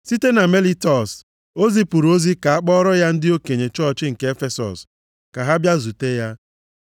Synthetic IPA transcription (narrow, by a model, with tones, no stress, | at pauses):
si˦te˦na˨me˦li˦tɔ˨s | o˦zi˦pu˨ɾo˦zi˦ka˨a˦k͡pɔ˦ɾɔ˦ja˦n̩˦dɪ˦o˦ke˨ɲe˨t͡ʃɔ˦˨t͡ʃɪ˦ŋ̩˨ke˦e˦fe˦sɔ̰˨s | ka˨ɦa˦bja˦zu˨te˦ja˦